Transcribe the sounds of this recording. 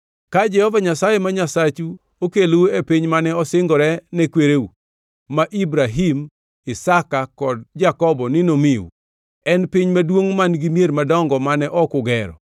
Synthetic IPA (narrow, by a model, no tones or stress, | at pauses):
kad͡ʒɛhɔvaɲasajemaɲasat͡ʃu | okeluepiɲmanɛɔsɪŋɡɔɾɛnɛkweɾeu | maʔibɾaɦim | ɪsakakɔdd͡ʒakɔbɔnɪnomiṵ | ɛnpɪɲmadwoŋmanɡimjeɾmadɔŋɡɔmanɛʔɔkʊɡɛɾɔ̰